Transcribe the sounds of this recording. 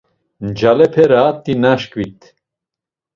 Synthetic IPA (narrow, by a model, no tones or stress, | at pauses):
nd͡ʒalɛpʰɛɾat̪ːinaʃkwit̪